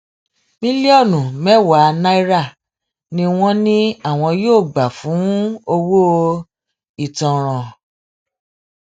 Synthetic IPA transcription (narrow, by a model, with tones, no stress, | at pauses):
mĩ˦li˦ɔ˦˨nũ˨mɛ̃˦wa˨˦˧na˦i˦ɾa˦˨ | nĩ˦w̃ɔ̃˦nĩ˦a˦˨w̃ɔ̃˧joː˦˨ɡ͡ba˨fũ˨˦o˧wo˦˧ | i˦˨tɔ̃˨ɾ̃ɔ̃˨